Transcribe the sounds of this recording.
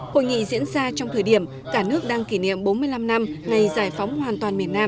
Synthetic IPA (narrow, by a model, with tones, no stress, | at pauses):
ho̰˧˨jŋḭ˧˨zḭ˧˥ənzaː˧t͡ɕɔ˧wŋ͡mt̪ʰəː˨˩jɗi˧˩əm | kaː˧˩nɨ˦˥ək̚ɗaː˧ŋki˧˩ɲḭ˧˨əmɓo˨˦nmɨ˧əjla˧mna˧mŋa˨˩jzaː˧˩jfɔ˨˦wŋ͡mhwaː˨˩nt̪waː˨˩nmi˨˩ətnaː˧m